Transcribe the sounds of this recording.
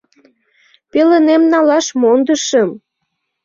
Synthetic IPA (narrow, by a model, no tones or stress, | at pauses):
pelənemnɑlɑʃmond̪əʃəm